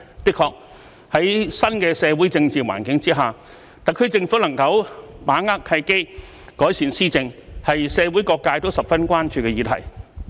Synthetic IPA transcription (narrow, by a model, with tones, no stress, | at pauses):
pɪ˥kʰɔː˧k̚ | hɐ˨˥jsɐ˥nkɛː˧sɛː˨˧wuː˨˥jt͡sɪ˧ŋt͡siː˨wa̰ː˨˩nkɪ˨˥ŋt͡siː˥ɦaː˨˩ | t̪a˨˩kʰɵ˧ɥt͡sɪ˧ŋfu˨˥lɐ˨˩ŋkɐ˧wmaː˨˥ŋaː˥k̚t̪ʰɐ˧jke˥ | kɔː˨˥jsiː˨˩nsiː˥t͡sɪ˧ŋhɐ˨jsɛː˨˧wu˨˥jkɔː˧kːaː˧jt̪o˥wsɐ˨p̚fɐ˥nkʷaː˥nt͡ʃyː˧kɛ˧jiː˨˧t̪ʰɐ̰˨˩j